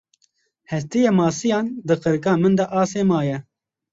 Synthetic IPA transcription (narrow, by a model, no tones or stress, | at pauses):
hɛst̪ijemɑːsijɑːnd̪ɨqɨɾkɑːmɨnd̪ɛʔɑːseːmɑːjɛ